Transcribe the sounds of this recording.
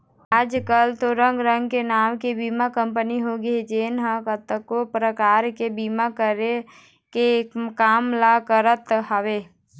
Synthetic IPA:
aːd͡ʒkəlt̪oɾə̃ŋɡɾə̃ŋɡkenaːmkebiːmakə̃mpəniɦoɡəed͡ʒeːnɦakət̪ːəkːopɾəkaːɾkebiːmakəɾe | kekːaːmlakəɾət̪ɦəʋeː

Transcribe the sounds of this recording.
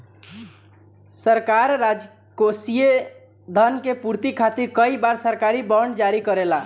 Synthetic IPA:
səɾkaɾːad͡ʒ | kosije | d̪ʱənkepuɾt̪ikʰat̪iɾkəibaɾsəɾkaɾibəɳɖd͡ʒaɾikəɾela

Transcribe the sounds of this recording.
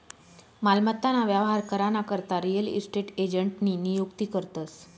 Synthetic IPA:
malmət̪ːanaʋjaʋɦaɾkəɾanakəɾt̪aɾijəlḭsʈeʈed͡ʑəɳʈninijukt̪ikəɾt̪əs

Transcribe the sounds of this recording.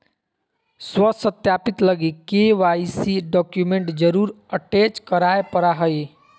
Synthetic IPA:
swəsət̪japit̪ləɡikeʋajsiɖɔkjumeɳʈd͡ʒəɾuɾ | əʈet͡ʃkəɾaepəɾaɦəj

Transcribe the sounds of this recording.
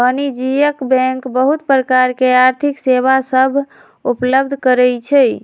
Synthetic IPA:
ənid͡ʒijəkbɛ̃ŋkbəɦut̪pɾəkaɾkeaɾt̪ʰikseβasəbʱ | upləbd̪ʱkəɾɛjt͡ʃʰɛ

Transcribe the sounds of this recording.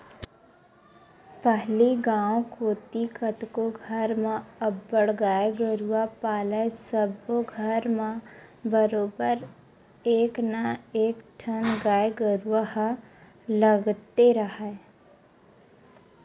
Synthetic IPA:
pɛɦliɡãːõkoːt̪ikət̪koɡʱəɾmãɐbːəɽɡaːeɡəɾuwapaːlaesəboɡʱəɾmãbəɾoːbəɾ | eːknaeːkʈʰənɡaːeɡəɾuwaɦ | ləɡt̪eɾəɦae

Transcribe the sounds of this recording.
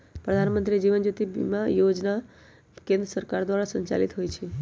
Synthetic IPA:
pɾəd̪ʱanmənt̪ɾid͡ʒiʋənd͡ʒut̪ib̰mãjod͡ʒna | kẽnd̪ɾəsəɾkaɾd̪ʋaɾasə̃ɲt͡ʃa̰lit̪ɦojt͡ʃʰe

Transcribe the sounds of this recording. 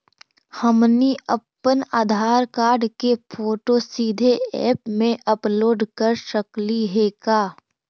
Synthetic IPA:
həmniə̰pːənaːd̪ʱaːɾkaːɾɖkepʰoːʈosiːd̪ʱeɛ̰ːpmẽʔɐploːɖkəɾʃəkliɦeːkaː

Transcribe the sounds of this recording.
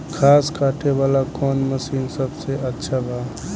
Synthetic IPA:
kʰaːskʰaːʈʰeʋaːlakɔːnməsiːnsəbseʔətːʃʰabʱaː

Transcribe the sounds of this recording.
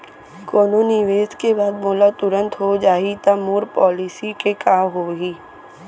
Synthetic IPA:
koːnoniʋeːskebaːd̪moːlat̪ʊɾə̃nt̪ɦod͡ʒaːit̪amuːɾpɔːlisikekaːɦoːɡiː

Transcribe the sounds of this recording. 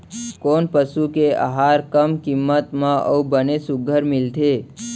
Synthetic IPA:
koːnpəsukeʔa̰ɦaɾkəmkimːət̪mãʔə̰ubənesʊɡʱəɾmɪlt̪ʰe

